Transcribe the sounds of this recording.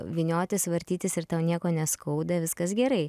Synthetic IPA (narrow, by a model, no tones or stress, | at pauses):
ʋʲɪnʲoːt̪ʲɪsʋɐɾʲt̪ʲiːt̪ʲɪsɪɾt̪ɑʊnʲiɛkoːnʲɛskʰɐʊd̪ɐʋʲɪskɐsɡʲɛɾɐɪ